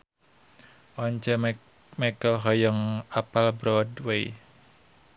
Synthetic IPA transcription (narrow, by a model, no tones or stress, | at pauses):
ʔɔɲt͡ʃə | makəlɦɔjəŋapalbɾɔdwei